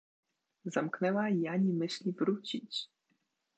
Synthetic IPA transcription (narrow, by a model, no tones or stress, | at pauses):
zamknɛwajaɲimɪɕlʲibɾut͡ɕit͡ɕ